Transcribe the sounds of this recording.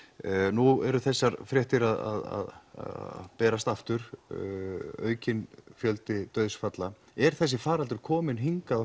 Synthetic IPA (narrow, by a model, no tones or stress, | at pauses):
nuɛɾʏθɛsːaɾfɾjɛht̪ɪɾaða̰ða̰ð | pɛːɾast̪aft̪ʏɾ̥ | œ̰ːɥcɪnfjœlt̪ɪt̪œɥðsfat̪la | ɛɾ̥θɛs̬ːɪfaːɾalt̪ʏɾ̥kʰɔːmɪnɦiŋkað